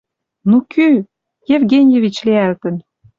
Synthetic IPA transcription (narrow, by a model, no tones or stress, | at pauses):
nuky | jevɣenʲjevit͡ɕleælt̪ə̆n